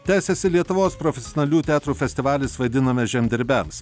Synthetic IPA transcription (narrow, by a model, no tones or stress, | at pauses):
t̪ʲæːsʲɛsʲɪlʲiɛt̪ʊʋoːspɾɔfʲɛsʲonʲɐlʲuːt̪ʲæːt̪ɾuːfʲɛsʲt̪ʲɪʋɑːlʲɪsʋɐɪd̪ʲɪnɐmʲɛʒʲɛmʲd̪ʲɪɾʲbʲɛms